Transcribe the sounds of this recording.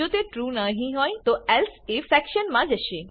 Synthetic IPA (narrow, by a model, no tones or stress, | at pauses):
oːt̪eʈɾuːnaɦĩɦoːĩt̪oɛlsefɛːkʃənmãd͡ʑɐʃe